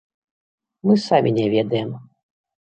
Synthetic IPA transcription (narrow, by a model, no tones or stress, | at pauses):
mɨsamʲinʲɛvʲɛd̪ɐjɛm